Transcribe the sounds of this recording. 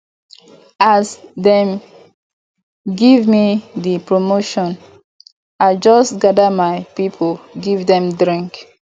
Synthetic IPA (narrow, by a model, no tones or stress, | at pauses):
asdɛ̃m | ɡivmidipɹomoʃɔ̃n | aɪd͡ʒɔstɡadəmaɪpipʰolɡivdɛ̃mdɹĩŋk